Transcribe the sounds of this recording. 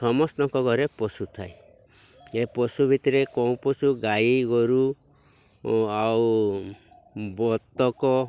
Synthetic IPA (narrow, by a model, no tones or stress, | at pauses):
ɔmɔst̪ɔŋkɔɡɔɾepɔsut̪ʰae | epɔsubʱit̪ɔɾekɔw̃pɔsuɡajiɡɔɾu | aw | bɔt̪ːɔkɔ